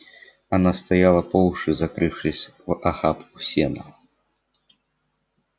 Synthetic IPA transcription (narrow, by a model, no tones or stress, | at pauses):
anast̪ajalˠɐpɔlwʂɨzakɾɨwʂɨsʲʔaxapusʲɛnɐ